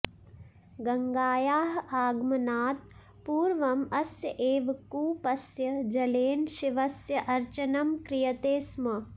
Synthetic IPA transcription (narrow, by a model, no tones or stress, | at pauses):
ɡɐŋɡaːjaːɦaːɡmɐnaːt̪̚ | puːɾʋɐmɐsjɐʔeːʋɐkuːpɐsjɐd͡ʒɐleːnʃiʋɐsjɐʔɐɾt͡ʃɐnɐmkɾɪjɐt̪eːsmɐ